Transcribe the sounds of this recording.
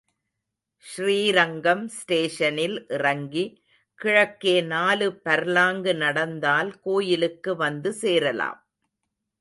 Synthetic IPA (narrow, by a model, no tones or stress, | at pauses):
ʃriːɾɐŋɡɐmsʈeːʂɐnɪlʔɪrɐŋɡi | kɪɻɐkːeːnaːlɯpːɐɾlaːŋɡɯnɐɽɐnd̪aːlkoːjɪlɯkːɯʋɐnd̪ɯseːɾɐla̰ːm